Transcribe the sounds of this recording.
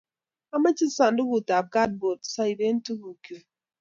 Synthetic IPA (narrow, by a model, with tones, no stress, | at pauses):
a˦ma˦t͡ʃi˦sa˨n˦du˦ku˨ta˨p̚ka˦t̚bo˨tsa˦i˨be˦n̩˦tu˦ku˨ku˨